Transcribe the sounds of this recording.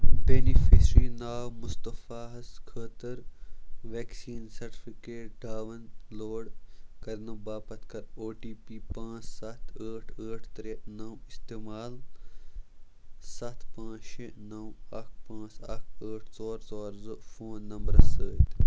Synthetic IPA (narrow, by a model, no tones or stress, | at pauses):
peːnifesɾiːnaːwmʊst̪ɐfaːɦɐskʰəːt̪ɐɾʋeːksiːnsɐɾʈi̥fikeːʈ̚ɖʱaːʋɐnloːɽkɐɾnɐbaːpɐt̪ʰkɐɾoːʈiːpiːpãːt͡ʃsɐt̪ʰəːʈʰəːʈʰt̪ɾenɐwist̪eːmaːl | sɐt̪ʰpãːt͡ʃinɐwɐkʰpãːt͡sɐkʰəːʈʰsoːɾzoːɾzɨfoːnːɐmbɾɐsəːt̪